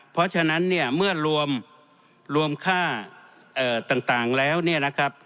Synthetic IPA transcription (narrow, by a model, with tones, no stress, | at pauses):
pʰɔ˦˥t͡ɕʰa˧na˦˥nːi˥˩ɐmɯ˥˩ɐɾu˧əm | ɾu˧əmkʰaː˥˩ | ʔɤː˨˩t̪aː˨˩ŋt̪aː˨˩ŋlɛː˦˥wni˥˩ɐna˦˥kʰa˦˥p̚